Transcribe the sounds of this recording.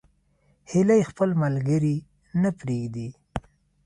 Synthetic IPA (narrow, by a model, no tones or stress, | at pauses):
hɪlajxpəlmalɡəɾi | napɾeɡd̪i